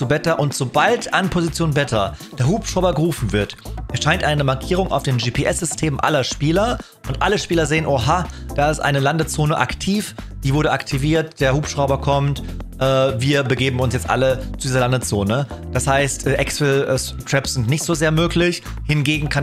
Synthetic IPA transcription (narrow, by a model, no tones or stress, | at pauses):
t͡subɛtɐʔʊntz̥obaltʰʔanpʰozit͡sjoːnbɛtʰɐd̥eːɐhuːpʃʁ̥aʊbɐɡəʁuːfn̩vɪɐtʔɛsʃaɪntʔaɪnəmaɐkʰiːʁ̞ʊŋʔa̰ʊfd̥eːnd͡ʒiːpʰeːʔɛsz̥ʏstʰeːmʔa̰lɐʃpiːlɐʔʊntʔaləʃpiːlɐzeːənʔoːɦad̥aːɪstʔa̰ɪnəlandət͡soːnəʔa̰ktʰiːfd̥iːvʊɐɾəʔaktʰiviːɐt̚d̥eːɐhuːpʃʁ̥aʊbɐkʰɔmtʔɛːviːɐbəɡeːbm̩ʊnsjɛt͡stʔa̰lət͡sudiːzɐlandət͡soːnə | d̥ashaɪstʔɛːʔɛksls | tʁ̥ɛpsz̥ɪntnɪçtz̥oːzeːɐmøːklɪç | hɪnɡeːɡŋ̩kʰan